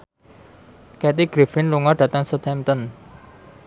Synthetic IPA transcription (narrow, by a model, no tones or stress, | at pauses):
kɛt̪̬iɡ̥ɾifɪnluŋɔɖ̥ä̤t̪əŋsət̪ʰɛmt̪ən